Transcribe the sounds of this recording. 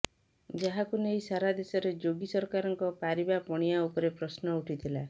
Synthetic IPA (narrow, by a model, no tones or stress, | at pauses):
d͡ʒaɦakunejsaɾad̪esɔɾed͡ʒoɡisɔɾkaɾɔŋkɔpaɾibapɔɽ̃ijaupɔɾepɾɔsnɔuʈʰit̪ʰila